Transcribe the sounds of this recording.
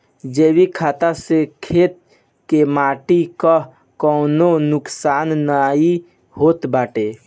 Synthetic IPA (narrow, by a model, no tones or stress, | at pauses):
d͡ʒeːbikʰaːt̪asekʰeːt̪̚ | kemaːʈika | kɔːnonʊksaːnːaːi | hoːt̪baːʈeː